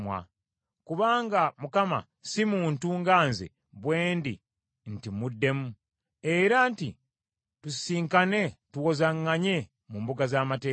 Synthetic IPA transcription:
mwa̰ | kuβaːŋɡamukama̰ | simuːntuŋɡaːnzḛ | βwe̞ːndi | n̩timudːe̞mu | eɾantḭ | tusiːŋkane̞tuwozaŋːaɲe | muːmbuɡazaːmateː

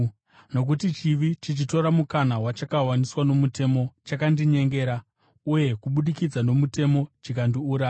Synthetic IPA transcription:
no̞k̬utit͡ʃiʋit͡ʃit͡ʃito̞ɾamukanawat͡ʃakawaniswano̞mute̞mo̞t͡ʃakandiɲe̞ŋɡe̞ːɾa | uje̞kuɓuɗikid͡zano̞mute̞mo̞t͡ʃikandiuːɾaː

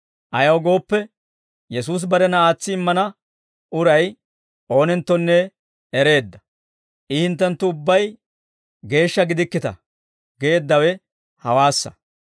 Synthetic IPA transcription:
ʔɐjɐwɡo̞ːpːɛ | jɛsuːs̬bɐɾɛnɐaːt͡sːɪːmːɐnɐ | ʔʊɾɐj | ʔo̞ːnɛnt̪ːɔnːɛ | ɛɾe̞ːd̪ːɐ̥ | ʔɪhɪnt̪ːɛnt̪ːʊʊbːɐj | ɡe̞ːʃːɐɡɪd̪ɪkːɪt̪ɐ̰ | ɡe̞ːd̪ːɐwɛ | hɐwaːsːɐ̥̰

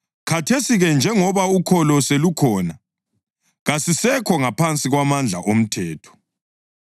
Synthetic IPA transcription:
kʰatʰesiɣɛnd͡ʒʱɛŋɔβaukʰɔlɔselukʰɔːna | ɣasisɛkʰɔŋapʰant͡sʼiɣwamand͡ɮʱa̰ʔom̩tʰɛːtʰɔ̥

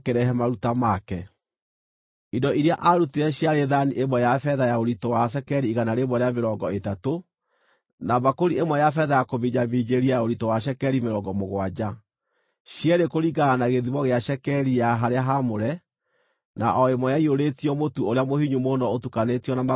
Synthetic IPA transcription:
keɾɛɦɛmaɾutamakɛ | idɔiɾeaʔaɾuteɛɕjaɾeðaniʔemwɛjafɛðajaoɾitɔwaʃ̬ɛkɛɾiːɣanaɾemɔɾeameɾɔɡɔetato | naβakoɾiemwɛjafɛðajakoβiɲamid͡ʑeɾiajaoɾitɔwaʃ̬ɛkɛɾimeɾɔŋɡɔmoɣwad͡ʑa | ɕjɛɾekoɾiɡaːnaɣeðiβɔɣeaʃɛkɛɾijaɦaɾeaɦamoɾɛ | naʔɔemɔjaioɾetiɔmotuoɾeamohiɲumonɔotukanetiɔnama

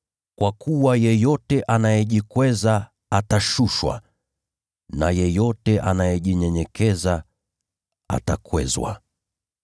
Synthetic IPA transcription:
kwakʰuwajɛjɔtɛʔanajɛʄikwɛza | ataʃuʃwa̰ | na̰jɛjɔtɛʔanajɛʄiɲɛɲɛkʰɛza | a̰takwɛ̰zwa̰

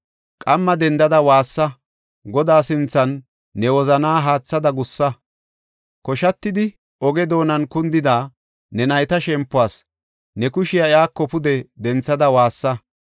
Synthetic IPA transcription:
kʼɐmːɐd̪ɛnd̪ɐd̪ɐwaːsːɐ | ɡɔd̪aːsɪnt͡sːɐnː | ɛwɔzɐnaːɦaːt͡sːɐd̪ɐɡʊsːɐ | kɔʃɐt̪ːɪd̪ɪ | ɔɡɛd̪o̞ːnɐnkʊnd̪ɪd̪aː | nɛnɐjt̪ɐʃɛmpːʊaːs | nɛkʊʃɪjɐɪaːkːɔpʊd̪ɛd̪ɛnt͡sːɐd̪ɐwaːsːɐ

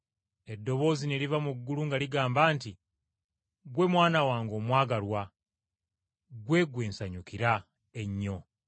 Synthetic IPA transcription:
e̞dːo̞βo̞ːzinelivamuɡːuluŋɡaliɡaːmbaːnti | ɡwe̞mwaːnawaːŋɡo̞ːmwaːɡalwa | ɡwe̞ɡwe̞ːnsaɲukiɾa | e̞ɲːo̞

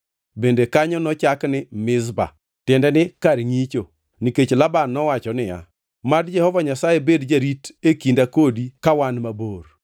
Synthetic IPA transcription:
bendekaɲɔnɔt͡ʃaknɪmɪzba̰ | tɪndɛnɪkaɾŋit͡ʃo | niket͡ʃlabanːɔwat͡ʃɔnɪja̰ | madd͡ʒɛhɔvaɲasajebedd͡ʒaɾitekindakodikawanmaboɾ

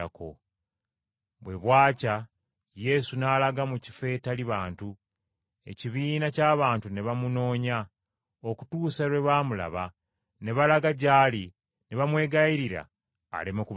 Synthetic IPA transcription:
ako̰ | βwe̞βwaːca | je̞sunaːlaɡamuci̥fe̞ːtaliβaːntu | e̞̰ciβiːnacaːβaːntune̞βamuno̞ːɲa | o̞ku̥tuːsaɾwe̞βaːmula̰βa | ne̞βalaɡaɟaːli | neβamwe̞ːɡaiɾiɾa̰ː | lemoku

